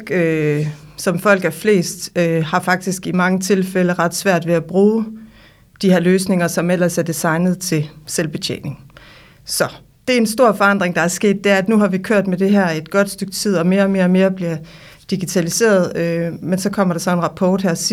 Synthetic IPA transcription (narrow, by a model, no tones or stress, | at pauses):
ø | sɒ̽mfɒ̽l̰ɡ̥æfle̝̰ːsd̥øhɑ̈fɑ̈ɡ̥̚d̥isɡ̥imɑ̈ŋət͡sʰe̝lfeləʁɑ̈d̥sʋæɐ̰d̥ʋe̝æb̥ʁuː | d̥ihæɐ̰løːsne̝ŋɐsɒ̽mel̰ɐsæɐd̥isɑ̈ɪnð̞̩ˠt͡sʰe̝selb̥e̝t͡ɕʰḛːne̝ŋ | sɒ̽ | d̥e̝æɐensd̥o̝ɐ̰fɒ̽ɑ̈n̰d̥ʁeŋd̥ɑ̈æɐsɡ̥e̝̰ːd̥ːe̝æɐæd̥nuɦɑ̈ʋikʰøɐ̰d̥med̥e̝ɦæɐ̰e̝d̥ɡ̥ɒ̽d̥sd̥øɡ̥̚t͡sʰið̰ˠɒ̽me̝ːɐɒ̽me̝ːɐɒ̽me̝ːɐb̥liɐ | d̥iɡ̥it͡sʰælise̝̰ːɐð̞ˠømensɒ̽kʰɒ̽m̰ɐɾ̥ɑ̈sɒ̽e̝nʁɑ̈pʰɒːd̥hæɐ